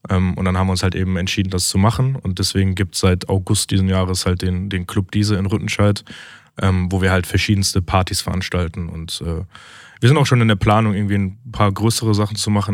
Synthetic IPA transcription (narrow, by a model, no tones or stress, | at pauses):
ʔɛːmʔʊ̰ntd̥anhaːbmviɪʊnshaltʔḛːbm̩ɛntʃiːdn̩dast͡sumaχn̩ʊnt̚d̥ɛsv̥eːɡŋ̩ɡiːp̚tsz̥aɪtʰaʊɡʊst̚d̥iːzm̩jaːʁ̞əshalt̚d̥eːndeːnkʰl̥ʊp̚d̥iːzəɪnʁʏtn̩ʃaɪt | ʔɛːmvoːviːɐhaltfɛɐʃiːdn̩stəpʰaɐtisfɛɐʔanʃtaltn̩ʊ̰ntʔɛː | v̥iːɐzɪntaʊʃoːnɪndeːɐpl̥aːnʊŋʔɪɐɡŋ̩tv̥iːnpʰaːɐɡʁøːsəʁ̞əzaχn̩t͡sumaχn̩